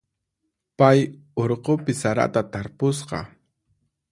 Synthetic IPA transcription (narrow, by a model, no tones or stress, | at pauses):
paj | oɾqopɪsaɾa̰t̪at̪aɾpʊsqɑ̰